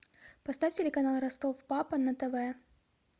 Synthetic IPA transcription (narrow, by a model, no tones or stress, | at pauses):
pɐst̪afʲtʲɪlʲɪkɐnalˠɾɐst̪ofpapənɐt̪ɛvɛ